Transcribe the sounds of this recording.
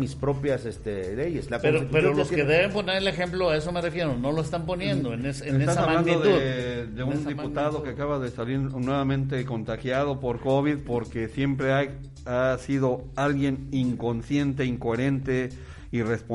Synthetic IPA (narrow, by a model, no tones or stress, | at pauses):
mispɾopjasest̪eleʝeslakoeɾot̪it̪upeɾoloskeðeβemponeɾelexe̞mploaeso̞merefjeɾono̞loest̪ampo̞nje̞nd̪oeneseesnt̪asasaβmalannd̪oðuðd̪euniput̪aðo̞keakaβaðe̞saliɾnwe̞βamẽ̞nt̪e̞ko̞nt̪axjaðo̞po̞ɾko̞βiðpo̞ɾke̞sje̞mpɾeaj | asiðo̞alɣje̞niŋko̞nsje̞nt̪̬e̞iŋko̞e̞ɾe̞nt̪e̞ | ire̞spo